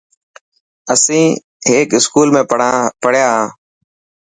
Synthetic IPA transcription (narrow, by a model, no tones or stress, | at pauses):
əsĩː | ɦeːkɪskuːlmẽːpəɽ̤jaːɦãː